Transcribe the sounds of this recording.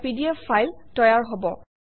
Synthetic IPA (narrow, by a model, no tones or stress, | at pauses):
pidiafajltɔjaɹɦobɔ